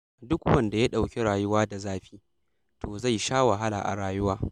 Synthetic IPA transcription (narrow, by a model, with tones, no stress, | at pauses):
dʊ˦kwɐ˦˨nda˨ja˦ɗa˨wkʲe˦ɽaː˨jʊ˦waː˦da˨zaː˦ɸiː˦ | tʰoː˨za˦˨jʃaː˦wa˨ɦa˦la̰ː˨ʔa̰˨ɽaː˨jʊ˦waː˦